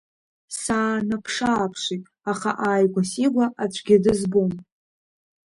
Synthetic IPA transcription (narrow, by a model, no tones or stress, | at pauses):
saːnapʰʂaːpʰʂitʼ | aχa̰ʔaːjɡʷasiɡʷaʔat͡ɕʷʰɡʲɪdɨzbom